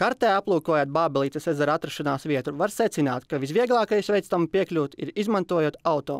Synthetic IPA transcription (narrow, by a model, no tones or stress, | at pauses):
kaɾt̪ɛːaplˠuːkuɔjaːt̪̚baːbɛlˠiːt̪ɐsezaɾat̪ɾaʃanaːsʋʲiɛt̪ɾuʋaɾsɛt̪sinaːt̪kaʋisʋʲiɛɡlˠɑːkajsʋʲɛjt̪st̪ampiɛklʲuːt̪iɾizmant̪uɔjuɔt̪awt̪oː